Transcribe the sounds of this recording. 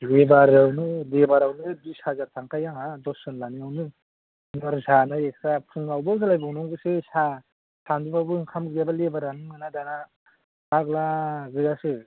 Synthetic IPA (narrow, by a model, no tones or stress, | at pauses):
lebaɾawnɯlebaɾawnɯbishazaɾtʰaŋkʰajaŋadɔsɯnlaniawnɯ | nɔɾzanaek̚sapʰɯŋawbawsalajbawnɔŋɡɯsesa | sandubawbɯŋkʰamɡɯjabalebaɾanɯmɯnadana | baɡlaɡɯzase